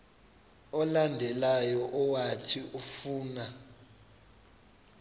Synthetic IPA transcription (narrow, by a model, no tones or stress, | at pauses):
ɔlandʱɛlajɔʔɔwatʰiʔufuːna